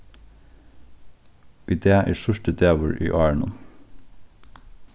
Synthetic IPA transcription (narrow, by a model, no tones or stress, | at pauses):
id̪eːʔæ̰ːstœʃʈəd̪eːʋʊɹʔḭːʔɑːæɳɔ̰n